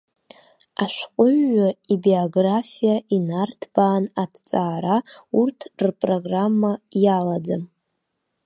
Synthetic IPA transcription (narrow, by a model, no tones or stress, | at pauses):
aʃʷqʷʼʊɥːaibioɡrafijainartʰb̥aːnatʰt͡sʼaːɾaurtʰrpʼroɡramːajalad͡zɨm